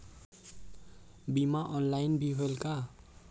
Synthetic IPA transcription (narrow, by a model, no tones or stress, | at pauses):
bimaʔʌnlajnbiɦelka